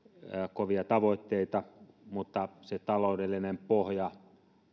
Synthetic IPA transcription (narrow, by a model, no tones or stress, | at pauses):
koʋiɑt̪ɑʋoˑit̪ːeit̪ɑmut̪ːɑset̪ɑloˑudelːinempohjɑ